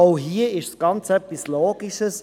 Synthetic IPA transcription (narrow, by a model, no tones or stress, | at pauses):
oʊɦiːəɪʃsɡ̥ɑnt͡sɛp̚p̚tislɔːɡ̥iʃəs